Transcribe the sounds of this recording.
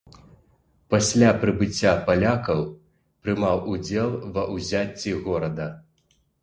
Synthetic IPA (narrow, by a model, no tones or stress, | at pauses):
pasʲlʲapɾɨbɨt͡sʲːapalʲakɐw | pɾɨmawud͡zʲɛlˠvɐʔuzʲat͡sʲːiɣɔɾɐd̪ɐ